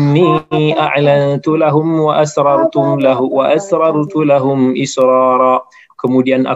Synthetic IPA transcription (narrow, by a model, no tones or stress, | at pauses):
nːiːʔaʕlant̪ʊlaɦʊmwaʔasɾˤɑɾˤt̪ʊmlawaʔasɾˤɑɾˤt̪ʊlaɦʊmʔɪsɾˤɑːɾˤɑː | kʊmoːdijanʔa̰